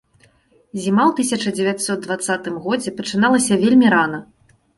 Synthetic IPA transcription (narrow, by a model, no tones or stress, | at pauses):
zʲimawt̪ɨsʲɐt͡ʂɐd͡zʲɛvʲat̪sɔd̪̚d̪vat̪sːat̪ɨmɣɔd͡zʲɛpɐt͡ʂɨnalˠɐsʲɐvʲelʲmʲiɾan̪ɐ